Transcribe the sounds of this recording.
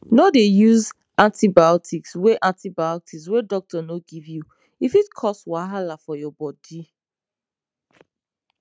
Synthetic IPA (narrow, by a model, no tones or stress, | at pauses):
nodejuz | ãntibaɔtʰiksweʔãntibajɔtʰikswedɔk̚tɔnoɡivju | ifitkʰɔswaɦalafɔjɔbɔdi